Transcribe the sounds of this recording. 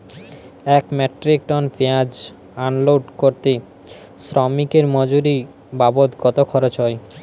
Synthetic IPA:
ɛkmɛʈɾik̚ʈɔnfʰead͡ʑ | anloɖkoɾt̪e | sɾɔmikeɾmɔd͡ʑuɾi | babot̪ɡɔt̪okʰɔɾot͡ɕɔe

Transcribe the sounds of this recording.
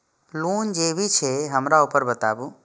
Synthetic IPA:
luːnd͡ʒeːbʱit͡ʃʰeɦəmɾaupəɾbət̪a̰ːbu

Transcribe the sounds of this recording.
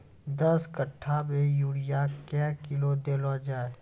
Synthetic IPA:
d̪əskəʈʰːamejuːɽijakɛkɪlod̪eːlod͡ʒaːe

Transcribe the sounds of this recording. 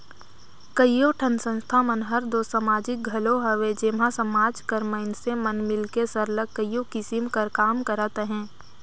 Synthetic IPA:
kəjjːoʈʰənsə̃nst̪ʰamənɦəɾd̪oːsəmaːd͡ʒɪk̚ɡʱɐloɦəʋed͡ʒeːmãsəmaːd͡ʒkəɾməɪnsemənmɪlkesəɾləkːəjjokɪsɪmkəɾkaːmkəɾat̪eɦɛ̃ː

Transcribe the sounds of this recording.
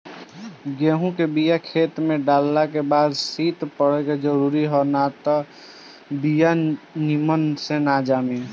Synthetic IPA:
ɡeːɦũkebijakʰeːt̪mẽɖaːlːakebaːd̪siːt̪pəɽeked͡ʒəɾuːɾiɦonat̪ɔ | bijanimənsenaːd͡ʒame

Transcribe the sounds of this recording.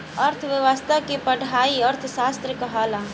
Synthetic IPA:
ɐɾt̪ʰʋɪʋast̪ʰakipɐɽʱaːiɐɾt̪ʰsaːst̪ɾəkɐɦaːlaː

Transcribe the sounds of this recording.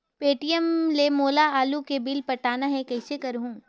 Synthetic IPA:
peːʈijəmlemoːlaaːlukebɪlpɐʈaːnaɦɛ̃kɐɦɪsekɐɾɦũː

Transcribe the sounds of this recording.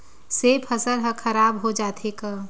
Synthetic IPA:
seːpʰɐsəɾɦəkʰəɾaːbɦod͡ʒaːt̪ʰeka

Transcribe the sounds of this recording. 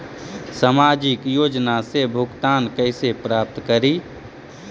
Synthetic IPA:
səmaːd͡ʒɪkjoːd͡ʒnasebʱʊɡt̪aːnkəɪsepɾaːp̚t̪kəɾiː

